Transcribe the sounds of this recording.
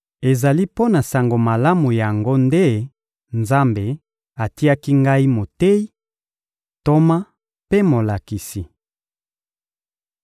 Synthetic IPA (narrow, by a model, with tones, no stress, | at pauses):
e˨za˨li˦po˦na˨sa˨ŋɡo˨ma˨la˦mu˨ja˨ŋɡo˦nde˦ | nza˦mbe˨ | a˨ti˦a˦ki˦ŋɡa˦i˦mo˨te˦i˦ | to˦ma˦ | pe˦mo˨la˨ki˨si˨